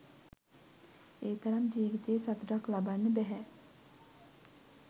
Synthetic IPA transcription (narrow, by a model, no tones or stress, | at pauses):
eːt̪ɐɾɐmd͡ʒiːʋit̪eːsɐt̪uɖaklabanːebɛɦɛ